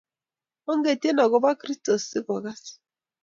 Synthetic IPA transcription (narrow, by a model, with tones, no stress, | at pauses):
o˦ŋ̩˦ɡe˨te˦nɔ˨ɡʊ˦ba˦kɾi˦sto˨sɪ˦bɔ˨ɣa˦si̥˨